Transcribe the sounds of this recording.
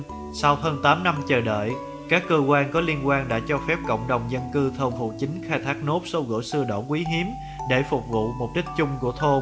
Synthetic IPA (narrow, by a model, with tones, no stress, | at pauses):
sa˧whəː˧nt̪aː˨˦mna˧mt͡ɕəː˨˩ɗə̰ː˧˨j | kaː˦˥kːəː˧kwaː˧nkɔ˨˦li˧ənkwaː˧nɗa̰ː˧˥t͡ɕɔ˧fɛ˦˥p̚kə̰˧˨wŋ͡mɗə˨˩wŋ͡mzə˧nkɨ˧t̪ʰəː˧wvṵ˧˨t͡ɕï˨˦ŋ̟xaː˧jt̪ʰaː˦˥k̚no˦˥p̚so˨˦ɣɨ̰ː˧˥˨jsɨ˧əɗo̰˧˩kwi˨˦ɦi˨˦əm | ɗe˧˩fʊ˨˩k͡p̚vṵ˧˨mo˨˩t̚ɗï˦˥k̟̚t͡ɕʊ˧ŋ͡mku˧˩ət̪ʰo˧